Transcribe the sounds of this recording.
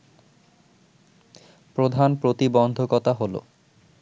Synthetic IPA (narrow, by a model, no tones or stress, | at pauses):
pɾod̪ʱanpɾot̪ibɔnd̪ʱokɔt̪aɦolo̰